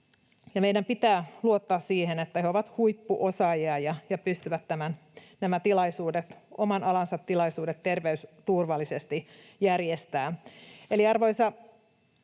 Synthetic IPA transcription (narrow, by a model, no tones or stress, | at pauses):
jɑmeidæmpit̪æːluot̪ːɑːssiːhenet̪ːæheoʋɑt̪huipːuʔosɑjiɑjɑjɑpyst̪yʋæt̪ːæmæn | næmæt̪ilɑisuːdet̪omɑnɑlɑnsɑt̪tːilɑisuːdet̪terʋeyst̪urʋɑlːˑisest̪i | jærjest̪æːʔeliɑrʋoisɑ